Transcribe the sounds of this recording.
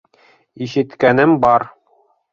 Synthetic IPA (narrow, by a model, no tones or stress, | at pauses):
iʃɘ̆t̪kænɘmbɒɾ